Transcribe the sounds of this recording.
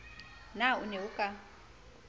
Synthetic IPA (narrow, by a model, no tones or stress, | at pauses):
naṵneukʼa